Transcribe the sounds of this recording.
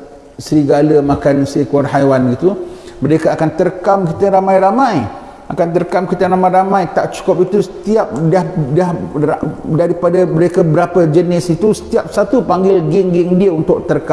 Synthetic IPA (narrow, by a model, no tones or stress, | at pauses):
səɾiɡaləmãkansikɔrɦajwanɡit̪uməɾekaakant̪əɾkamkit̪əɾamãjɾamãj | akant̪əɾkamkit̪ənamãɾamãjt̪aʔt͡ʃu̥kɔp̚it̪usə̥t̪iap̚dahdahadaɾipadabəɾekabəɾapəd͡ʒənɪsit̪usə̥t̪iap̚sat̪upaŋɡɪlɡɪŋɡɪŋdiəunt̪ʊʔ̚t̪əɾka